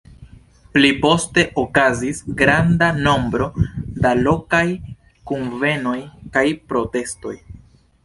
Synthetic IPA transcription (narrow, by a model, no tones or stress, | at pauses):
plipo̞ste̞ʔokazisɡɾandano̞mbɾo̞dalo̞kaj | kunve̞no̞jkajpɾo̞te̞sto̞̰j